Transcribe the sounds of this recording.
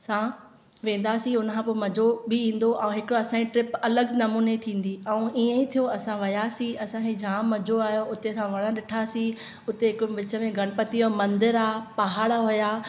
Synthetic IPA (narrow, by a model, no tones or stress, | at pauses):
sã | ʋẽːn̆d̪asĩʊnəkʰãpoːmɐd͡ʑʱobɪĩːn̆d̪oʔɐ̃ũɦɪkɽoɐsãd͡ʑiʈɾɪpɐləɡnɐmuːnet̪ʰĩːn̆d̪iɐũʔiːə̃ĩt̪ʰijoɐsãʋɐjasĩɐsãkʰed͡ʑʱãːmɐd͡ʑʱoaːɦjoʊt̪esãʋɐɽ̃ə̃ɗɪʈʰasĩ | ʊt̪eɦɪkʋɪt͡ɕə̆mẽɡʱɐɽ̃pɐt̪iomɐ̃nd̪ɪɾaːpɐɦaːɽaɦʊjaː